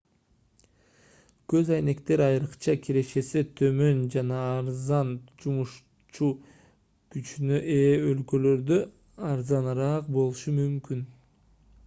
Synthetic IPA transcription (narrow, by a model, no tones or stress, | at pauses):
kø̞zɑjne̞kt̪e̞ɾɑjɾɯqt͡ʃɑkʲʰiɾe̞ʃe̞set̪ʰø̞mø̞nd͡ʒɑnɑːɾzɑnd͡ʒumuʃ | t͡ʃu | kyt͡ʃynøʔeːølkø̞lø̞ɾd̪ø | ɑɾzɑnɾɑːqbo̞lˠuʃumymkyn